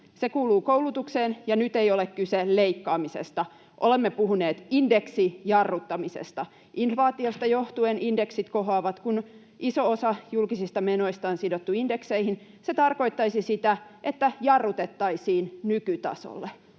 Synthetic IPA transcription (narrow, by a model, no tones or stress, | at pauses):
sekuːluːkowlut̪ukseːnjɑnyt̪ejolekkyselleikːɑːmisḛst̪ɑ | ʔolemːepuhuneːt̪indeksijɑrːut̪ːɑmisḛst̪ɑ | ʔinfʋɑːt̪iost̪ɑjoht̪uenʔindeksit̪koɦɑːʋɑt̪kun | ʔisoosɑjulkisist̪ɑmeno̞ist̪ɑonsidot̪ːuindekseihin | set̪ɑrko̞it̪ːɑisisit̪æʔet̪ːæjɑrːut̪et̪ːɑisiːnnykyt̪ɑ̰so̰lːe